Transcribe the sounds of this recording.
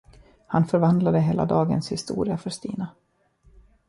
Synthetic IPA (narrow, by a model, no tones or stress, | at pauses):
hanfœɾvand̪lad̪əɦeːla̰d̪ɑːɡə̰nshɪst̪ṵːɾɪafœst̪iːna